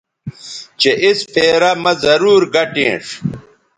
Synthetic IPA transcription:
t͡ɕeʔispʰeːɾamɐzɐɾuːɾɡɐʈḛ̃ːʂ

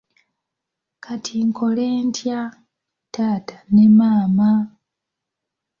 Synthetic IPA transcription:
kʰatʰiŋkʰo̞leːntja | taːtanemaːma

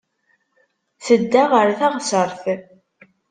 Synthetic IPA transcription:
θəd̪ːaʁəɾθæʁsəɾˤθ

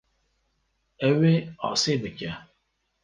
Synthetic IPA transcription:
eweɔ̰sɪbekja

